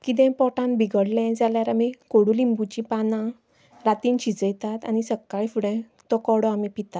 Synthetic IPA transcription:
kit̪̬ɛ̃pɔʈãnbiɡəɽlɛ̃d͡zaljaɾamikoɽulimbut͡ɕipanã | ɾat̪iːnɕid͡zəjt̪at̪a̰nisəkːaɭifuɽɛ̃ | t̪ɔkɔɽɔamipit̪a

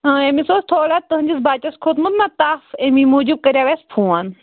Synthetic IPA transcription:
ə̃emisost̪ʰoːlaːt̪ːɨɦɨnʲd͡ʒisbaːt͡ʃɐskʰoːt̪mut̪nat̪aːfemimuːd͡ʒub̚kɐɾʲjaːʋespʰũːan

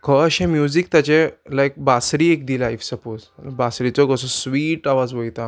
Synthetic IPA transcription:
kʰəəɕẽmjuzik̚t̪jat͡ɕelaek̚basɾiek̚d̪ilajfsəpozbasɾit͡sɔɡəsɔsʋiːʈaʋad͡zʋəjt̪a

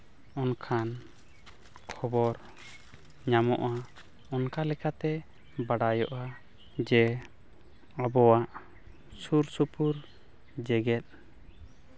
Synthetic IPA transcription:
ɔnkʰan | kʰɔbɔɾ | ɲamɔ̰ʔa | ɔnkalɛkat̪ɛ | baɽajɔʔa | d͡ʒɛ | abɔwaʔ | suɾsupuɾ | d͡ʒɛɡɛt̪̚

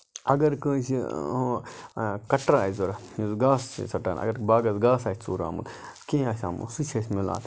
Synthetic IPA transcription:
ɐɡɐɾkə̃ːsĩ | kɐʈɾaːizoɾuzɡaːssɐʈa̰ːnɐ̰ɡɐɾkbaːɡɐzɡaːsaːsʲt͡suːɾa̰ːmṵlkẽːasʲaːmṵsut͡ʃʰesʲmila̰ːt̪

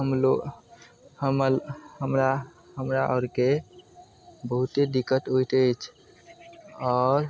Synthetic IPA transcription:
ɦəmlo | həmlhəmɾa | ɦəmɾaʔɔɾke | bəɦut̪ed̪ikːət̪ɦujt̪ət͡ʃʰ | ɔɾ

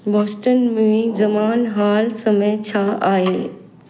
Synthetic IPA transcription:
bɔːsʈənmẽzɐmaːnɦaːlsɐmẽt͡ɕʰaaːɦeː

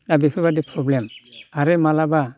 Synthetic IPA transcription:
nabepʰebadipʰɾɔblemaɾemalaba

